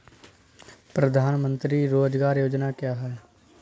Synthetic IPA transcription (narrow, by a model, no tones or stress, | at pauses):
pɾəd̪ʱaːnmə̃nt̪ɾiɾoːd͡ʒɡaːɾjoːd͡ʒnaːkjaːɦɛː